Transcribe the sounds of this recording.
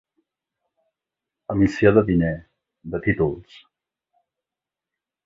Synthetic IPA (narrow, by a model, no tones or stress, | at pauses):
əmisioðəβinɛ | d̪ət̪it̪ulˠs